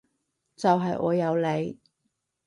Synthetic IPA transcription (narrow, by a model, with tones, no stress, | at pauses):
t͡sɐ˨wɦɐ˨jʔɔ̰ː˨˧jɐ˨˧wle˨˧j